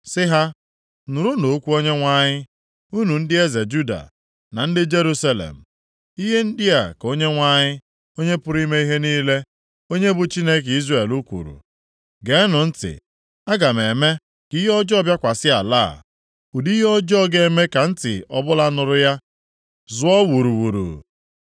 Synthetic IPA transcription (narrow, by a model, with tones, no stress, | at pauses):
sɪ˦ɦa˦ | nʊ˨ɾu˦no˨˦kʷu˦o˦ɲe˦ŋʷa˦ɲɪ˦ | u˦nu˨n̩˦dɪ˦e˦ze˨d͡ʒu˦da̰˨ | na˨n̩˦dɪ˦d͡ʒe˦ɾu˦sa˦lḛ˨m̩˨ | i˦ɦe˦n̩˦dɪ˦a˨ko˦ɲe˦ŋʷa˦ɲɪ˦ | o˦ɲe˦pʊ˦ɾi˦me˦i˦ɦe˦niː˦le˦ | o˦ɲe˦bʊ˨t͡ʃi˦ne˦k̬i˦zre˨lu˦kʷṵ˨ɾṵ˨ | ɡe˨˦nʊ˨n̩˦tɪ̰˨ | a˦ɡa˨me˨me˦ | ki˦ɦɔ˦d͡ʒɔ˦bja˦kʷa˨sɪ˦a̰˨la̰˦˨ | u˨di˦ɦɔ˦d͡ʒɔ˦ɡe˨˦˨me˦ka˨n̩˦tɪ̰˨ɔ̰˨bʊ˦la˦nʊ˨ɾʊ˦ja˦ | zʊ˦ɔ˦wu˨ɾu˨wu˨ɾṵ˨